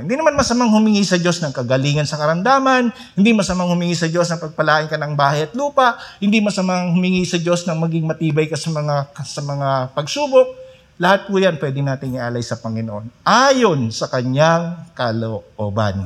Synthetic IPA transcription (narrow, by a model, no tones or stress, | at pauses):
ɪnd̪inɐmanmɐsɐmaŋhʊmɪŋisɐd͡ʒo̞snɐŋkɐɡɐliːŋɐnsɐkɐɾɐmd̪aːmɐn | hɪnd̪imɐsɐmaŋhʊmɪŋisɐd͡ʒo̞snɐŋpɐɡ̚pɐlaːʔɪnkɐnɐŋbaːhɐjɐt̪luːpɐʔhɪnd̪imɐsɐmaŋhʊmɪŋisɐd͡ʒo̞snɐŋmɐɡɪŋmɐt̪iːbɐjkɐsɐmɐŋasɐmɐŋapɐɡsuːbok̚ | lɐhat̪̚kʊjanpwɛːd̪ɪnaːt̪ɪŋʔɪʔaːlɐjsɐpɐŋɪnoʔo̞nʔaːjo̞nsɐkɐɲjaŋkaloʔoba̰n